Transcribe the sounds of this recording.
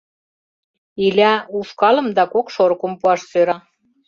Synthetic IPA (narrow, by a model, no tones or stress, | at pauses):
ilʲæuʃkɑlə̆md̪ɑkokʃoɾkompuɑʃsøɾɑ